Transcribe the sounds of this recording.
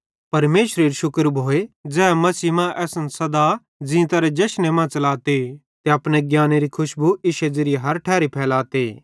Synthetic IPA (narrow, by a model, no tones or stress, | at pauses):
pɐɾmeːʃɾeːɾiʃʊkəɾbʱoːed͡zɛːmɐsiːmãʔɛːsənsɐd̪a | d͡zĩt̪ɐɾɛd͡ʒɐʃnemãːt͡ʃɐlaːt̪e | t̪eɐpñeɡjaːneɾikʰʊʃbuɪʃed͡ʒɪɾɪɦɐɾʈʰɛːɾipʰɛːlaːt̪eː